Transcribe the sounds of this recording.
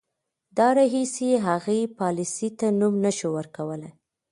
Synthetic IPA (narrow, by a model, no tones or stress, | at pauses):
d̪ɑɾɑɦiseeɦaɣejpɑlisit̪anumnəʃuwəɾkawəlaj